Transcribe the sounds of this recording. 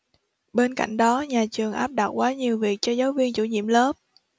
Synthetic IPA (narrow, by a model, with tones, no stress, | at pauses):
ɓe˧nka̰˧˩˨jŋ̟ɗɔ˨˦ɲaː˨˩t͡ɕɨ˨˩əŋʔaː˦˥p̚ɗa˨˩t̚kwaː˨˦ɲi˨˩əwvi˨˩ək̚t͡ɕɔ˧zaː˨˦wvi˧ənt͡ɕṵ˧˩ɲḭ˧˨əmləː˦˥p̚